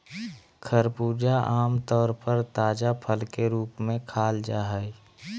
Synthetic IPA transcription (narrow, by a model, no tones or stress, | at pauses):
kʰəɾpuːd͡ʒaʔaːmt̪ɔːɾpəɾt̪aːd͡ʒapʰəlkeɾuːpmẽkʰaːld͡ʒaːɦə